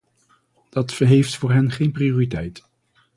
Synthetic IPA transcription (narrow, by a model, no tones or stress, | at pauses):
d̥ɑtfəɹɦejftfʊːɹɦɛnχejnprioːritɛjt